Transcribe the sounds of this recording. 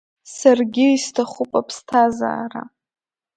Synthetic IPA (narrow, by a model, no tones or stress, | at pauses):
sarɡʲɪistʰaχupʼapʰstʰaza̰ːra̰